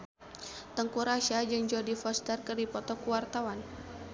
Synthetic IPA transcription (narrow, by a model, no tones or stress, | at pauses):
t̪əŋkuɾaʃad͡ʒɨŋd͡ʒɔdifɔst̪ərkɨrdipɔt̪ɔkuwart̪awan